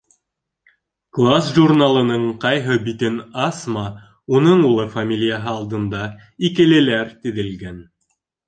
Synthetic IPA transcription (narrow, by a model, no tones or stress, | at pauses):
klˠasʒurnalˠɤ̆nɤɴqɑjɦɤbit̪ɘnɑsmɑ | unɤɴulˠɤfamʲilʲijaɦɤɑlˠd̪ɤ̆nd̪ɑ | ikɘ̆lɘ̆læɾt̪ɘ̆ðɘ̆lɡæn